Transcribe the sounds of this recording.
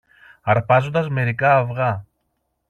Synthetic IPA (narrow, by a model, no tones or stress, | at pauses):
ɐɾpɐzo̞nd̪ɐzme̞ɾikɐːfɣɐ